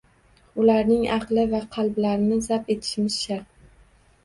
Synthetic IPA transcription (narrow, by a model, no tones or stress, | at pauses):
ʊlaɾnɪŋɑqlɪvaqʰɑlˠblaɾɪnɪzape̞t̪ʰɪ̥ʃmɪzʃaɾq